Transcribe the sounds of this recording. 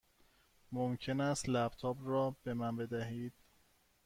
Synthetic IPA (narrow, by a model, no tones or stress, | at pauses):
momcʰe̞næst̪læbt̪ʰɒːbrɒːbe̞mænbe̞d̪æɦiːd̪̥̚